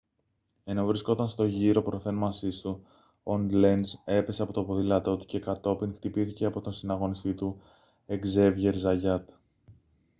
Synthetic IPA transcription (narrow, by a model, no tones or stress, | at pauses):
e̞no̞vɾisko̞t̪ɐnst̪o̞ʝiɾo̞pɾo̞θe̞nmɐsist̪u | ond̪le̞nse̞pe̞se̞ɐpo̞t̪opo̞ðilɐt̪o̞t̪u̥ce̞kɐt̪o̞piŋxt̪ipiθice̞ɐpo̞t̪onsinɐɣo̞nist̪it̪u | e̞ɡze̞vʝe̞ɾzɐʝɐt̪